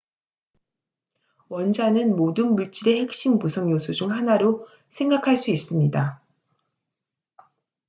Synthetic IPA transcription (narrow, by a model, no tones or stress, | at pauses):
wʌnd͡ʑanɯnmodɯnmuɭt͡ɕ͈iɾe̞he̞k̚ɕ͈impusʰʌŋjosʰud͡ʑuŋhanaɾo | sʰe̞ŋɡakʰaɭs͈uis͈ɯmɲida